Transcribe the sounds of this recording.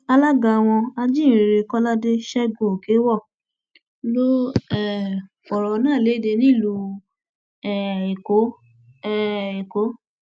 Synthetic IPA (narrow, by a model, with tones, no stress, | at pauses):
a˧la˦ɡa˨˧w̃ɔ̃˧a˧d͡ʒĩ˦˨ɾe˧kɔ˦la˦de˦ʃɛ˦ɡo˦˨o˨ke˨˦wɔ˦˨ | lo˦ɛ˦˨fɔ˨ɾɔ˨˦nãː˦˨le˨˦˨de˧nĩ˦˨lu˧ | ɛ˦˨e˨ko˨˦˨ | e˨ko˨˦